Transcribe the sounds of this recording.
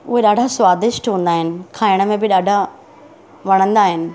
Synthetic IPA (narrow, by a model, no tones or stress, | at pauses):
ʊɦeɗaːɖʱaswaːd̪ɪʃʈɦũːn̆d̪aːɦɪnɪ̆kʰaːɪɽ̃ə̆mẽbɪɗaːɖʱa | ʋɐɽ̃ə̃nd̪aːɦɪnɪ̆